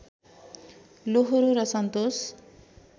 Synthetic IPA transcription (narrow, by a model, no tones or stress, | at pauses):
loɦoɾuɾʌsʌnt̪os